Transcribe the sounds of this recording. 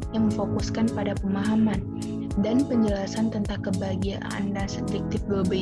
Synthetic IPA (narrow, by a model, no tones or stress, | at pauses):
jaŋməfokuskanpadapəmaɦaman | danpəɲd͡ʒəlasant̪ənt̪aŋkəbaɡiaʔa̰ndasət̪ɾik̚t̪ɪp̚ɡobə